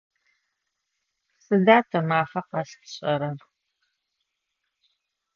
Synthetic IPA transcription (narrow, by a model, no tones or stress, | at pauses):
sʼɨdaːtʰɐmaːfɐqɑɬtʰɕʼɐɾɐr